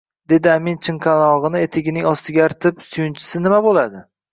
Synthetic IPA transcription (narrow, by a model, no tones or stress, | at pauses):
d̪e̞d̪ɪamint͡ʃʰɪɴqʰɑnɒʁɨnɪe̞t̪ʰɪɡʲɪnɪŋɒst̪ɪɡʲaːɾt̪ʰɪpsʊjʊnt͡ʃʰɪ̥sɪnɪmabolad̪ɪ